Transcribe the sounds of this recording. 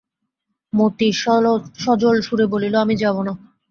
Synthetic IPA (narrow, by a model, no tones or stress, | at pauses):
mot̪iʃʃɔd͡ʑolʃuɾeboliloamid͡ʑabona